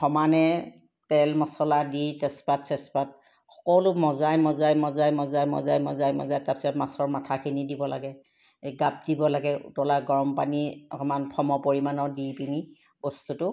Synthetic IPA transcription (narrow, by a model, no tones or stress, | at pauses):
xɔmanɛ | tɛlmɔsɔladitɛspatsɛspat̚ | xɔ̥kɔwlʊmɔzajmɔzajmɔzajmɔzajmɔzajmɔ̰zajmɔ̰zajtapsɛmasɔɹmatʰakʰinidibɔla̰ɡɛ | ɡap̚dibɔlaɡɛṵtɔlaɡɔɹɔmpaniɔɔmanpʰɔmɔpoɹimanɔdipini | bɔstutʊ